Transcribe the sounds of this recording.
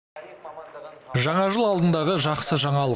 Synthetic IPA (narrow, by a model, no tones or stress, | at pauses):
ʒɑɴɑʒəlˠɑlˠd̪ənd̪ɑʁəʒɑqsəʒɑɴɑlˠə